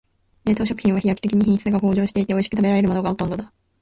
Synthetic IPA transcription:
e̞ːt̪o̞ːɕo̞kɯ̟çʲĩɰ̃βaçijaki̥t̪ekʲiɲ̟içĩst͡sɨɨɡako̞ːʑo̞ːɕi̥t̪eit̪e̞o̞iɕi̥kɯ̟t̪abe̞ɾaɾe̞ɾɯ̟mo̞no̞ɡaho̞t̪õ̞nd̪o̞d̪a

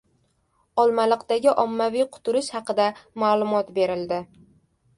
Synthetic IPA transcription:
ɒlˠmalɨqt̪aɡʲɪʔɒmːavijqʰʊ̥t̪ʰʊɾɪʃhɑqɨd̪amaːlˠʊmɒt̪be̞ɾɪld̪ɪ

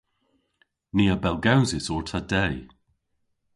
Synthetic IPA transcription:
niːəbɛlˠɡawzɪsɔɹtʰadɛj

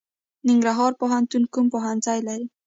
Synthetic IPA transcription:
niŋɡɾaɦɑɾpoɦant̪unkumpoɦanzɑjlaɾi

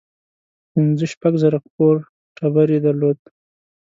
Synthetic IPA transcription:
pinzəʃpaɡzaɾaqpoɾ | ʈʰabaɾid̪aɾlod̪̚

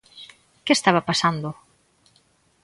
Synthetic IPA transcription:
kest̪aβapasand̪ʊ

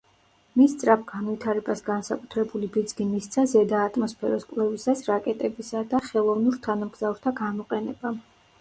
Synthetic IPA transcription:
mist̪sʼɾapʰɡ̥anvit̪ʰaɾɛbasɡansakʼut̪ʰɾɛbulibid̪zɡimist̪sʰazɛd̪aːt̪ʼmɔspʰɛɾɔskʼvlɛvisasɾakʼɛt̪ʼɛbisad̪aχɛlˠɔvnuɾt̪ʰanamɡz̥avɾt̪ʰaɡamɔqʼɛnɛba

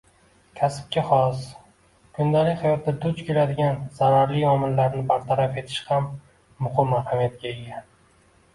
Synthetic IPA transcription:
kʲʰasɪ̥p̚kʲaχɒs | kʰʊnd̪alɪkʲhajɒt̪ːad̪ʊt͡ʃkʲʰe̞lad̪ɪɡʲanz̥aɾaɾlijɒmɪlːaɾnɪbaɾt̪ʰaɾafe̞t̪ʰɪ̥ʃhamː | ʊχɪmːaɾhamjat̪̚kʲaeɡʲan

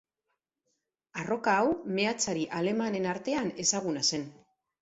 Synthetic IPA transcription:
aro̞kaːwme̞at͡saɾiʔale̞mane̞naɾt̪e̞ane̞saɣunase̞n

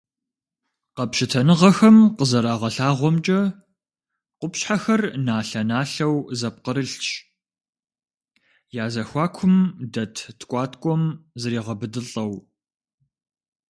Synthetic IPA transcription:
qɐpʃɪtʰɐnɨʁɐxɐmqəzɐɾaːʁɐɬaːʁʷɔmt͡ʃʼɐ | qʷʊpɕħaxɐrnaːɬɐnaːɬɐwzɐp̚qəɾɨɬt͡ʃ | jaːzɐxʷɑːkʷʰʊmdɐtʰtʰkʷʼɑːtʰkʷʼɔmzɐɾiːʁɐbɨdɨɬʼɐw

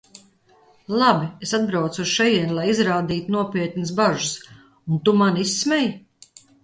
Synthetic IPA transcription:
lˠabiesad̪̚bɾawt̪suz̥ʃɛjiɛnlˠajizɾaːd̪iːt̪unuɔpiɛt̪nɨsbaʒus | unt̪umanisːmɛj

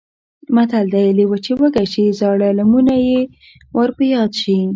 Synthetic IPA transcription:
mat̪ald̪ajlewət͡ʃewəɡaʃizɑɽalamunaje | waɾpəjɑd̪ʃi

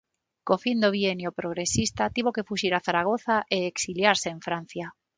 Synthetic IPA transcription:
kofind̪oβienjopɾoɣ̞ɾesist̪at̪iβ̞okefuʃiɾaθaɾaɣ̞oθaʔeeksiljaɾseeɱfɾan̟θja

